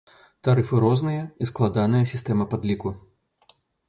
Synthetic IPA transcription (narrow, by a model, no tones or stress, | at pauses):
t̪aɾɨfɨɾɔznɨjɐisklˠad̪anɨjɐsʲist̪ɛmɐpad̪lʲiku